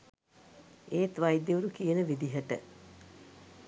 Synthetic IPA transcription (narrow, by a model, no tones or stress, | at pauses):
eːt̪ʋajd̪jeuɾukijənəʋid̪iɦəʈə̰